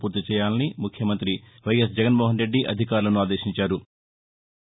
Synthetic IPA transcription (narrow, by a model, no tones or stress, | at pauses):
puːɾt̪it͡ʃɛːjaːlnimukʰjɐmɐnt̪ɾi | ʋɐjɐs̬d͡ʒɛɡɐnmoːɦɐnɾe̞ɖːiʔɐ̰d̪ʱikaːɾulɐnuaːd̪e̞ːʃiɲt͡ʃaːɾu